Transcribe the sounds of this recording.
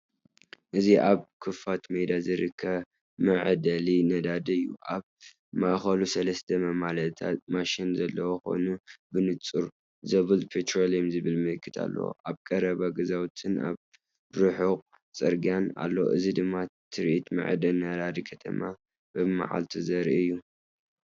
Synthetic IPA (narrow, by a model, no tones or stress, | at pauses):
ʔɨziʔaβkʰɨfat̪med̪azɨɾɨkʰːɐβ | mɐʕd̪ɐlinɐd̪ad̪ɐjːṵʔaβ | maʔxɐlusɐlɐst̪ʰɐmɐmalɐt̪ʰa̰maʃɪnzɐlːɐwoxo̞̰nubɨnɨt͡sʼuɾ | zɐβɨlpʰet̪ʰɾoljomzɨβɨlmɨlɨkʰːɨt̪ʰa̰lːɐ̰wo̰ʔaβkʼɐɾɐβaɡɐzawt̪ʰɨna̰β | ɾɨħuqʼ | t͡sʼɐɾɡijana̰lːowo̰ʔɨzid̪ɨmːat̪ʰɨɾʔit̪mɐ̰ʕd̪ɐnɐd̪ad̪ikʰɐt̪ʰɐ̰ma | b̥ɨma̰ʕa̰lt̪ʰizɐɾɨjːu